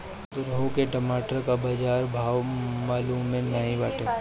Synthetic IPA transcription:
t̪oɾɐɦukeʈɐmaːʈəɾkabad͡ʒaːɾbʱaːʋmaːlummːẽnaɦĩbaːʈʰeː

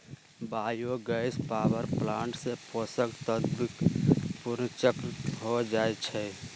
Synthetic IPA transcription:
baːjoɡəɪspaːwəɾplãːɳʈsepʰosəkt̪əd̪bkpʊɾnt͡ʃəkɾɦod͡ʒaːet͡ʃʰɛ

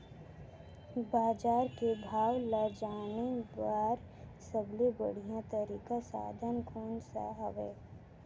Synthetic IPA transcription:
baːd͡ʒaːɾkebʱaːɡlaːd͡ʒaːnebaːɾ | səblibə̰ɽ̤ijãt̪əɾiːkasa̰ːd̪ʱənkʰuːnsa̰ɦəʋeː

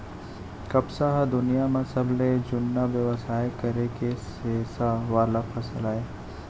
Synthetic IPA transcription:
kɐbsaɦad̪ʊnijamẽsɐbʱled͡ʒʊnːaʋjəʋəsaːjkɐɾekesesaʋaːlapʰɐsəlaːeː

